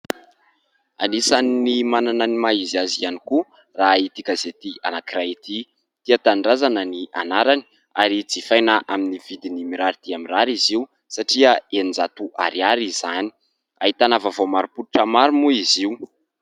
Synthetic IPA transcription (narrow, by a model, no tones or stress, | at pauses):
a̰nisannːimanananimaiziazianiku | rait̪ikazet̪ia̰nakirait̪i | t̪iat̪anɖ͡ʐazanəniʔa̰naɾani̥ | aɾid͡zifajnaʔaminivid̪inimiɾaɾit̪iamiraɾiziw | saʈ͡ʂiəenind͡zat̪uʔa̰ɾiaɾizani̥ | aɦit̪anavavomaɾupuluʈ͡ʂəmaɾumuiziu